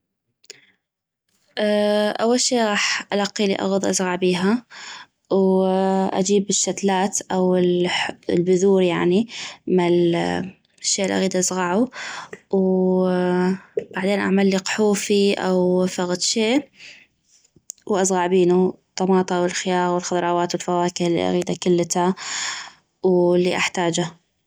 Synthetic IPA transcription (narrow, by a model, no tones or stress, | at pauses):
ʔaʔawːalʃeːʔɣɑːħʔalɑqːilḭʔa̰ɣʊd̪ˤʔazˤɣɑʕbiːɦa | wʔa̰d͡ʒiːbɪʃːat̪laːt̪ʔawɪllbʊðuːɾjaʕnimɪl | ʃːeːʔɪlʔa̰ɣiːd̪ʔazɣɑʕu | w | b̥aʕd̪eːnʔaʕmalːiqħuːfiʔa̰wfaɣt̪ʃeːʔ | wʔasˤɣɑʕbiːnut̪ˤːɑmɑːt̪ˤɑwɪlxɪjaːɣwɪlxʊðˤɾˤɑːwaːt̪wɪlfawaːkɪhlḭʔa̰ɣiːd̪akʊlːt̪a | wlːiʔaħt̪aːd͡ʒa